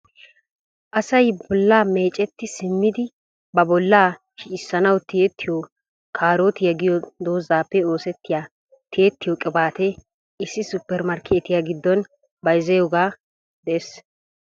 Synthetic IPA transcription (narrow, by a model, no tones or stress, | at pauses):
ʔɐsɐjbɔlːaːme̞ːt͡ʃʼɛt̪ːɪsɪmːɪd̪ɪ | bɐbɔlːaː | ʃiːsːɐnɐwt̪ɪjɛt̪ːɪjo | kʰaːɾoːt̪ɪjɐɡɪjɔd̪o̞ːzaːpːɛo̞ːsɛt̪ːɪjaː | t̪ɪjɛt̪ːɪjɔkʼɪbaːt̪ɛ | ɪsːɪsʊpːɛɾmɐɾkʰeːt̪ɪjaːɡɪd̪ːɔn | bɐjzɐjoɡaː | d̪ɛes